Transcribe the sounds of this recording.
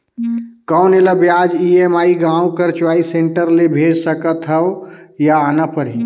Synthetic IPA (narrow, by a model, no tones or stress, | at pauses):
kəʊneləbjad͡ʒiemaːiɡãũkəɾt͡ʃwaːiseɳʈəɾlebʱed͡ʒsəkət̪ɦəwjaənəpəɾi